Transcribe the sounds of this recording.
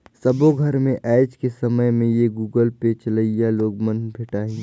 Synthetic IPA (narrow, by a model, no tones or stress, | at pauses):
səboɡʱɐɾmẽʔɛːd͡ʒkesɐməjmẽjeɡuːɡəlpet͡ʃələijaloːɡmənbʱɪʈaːɦĩː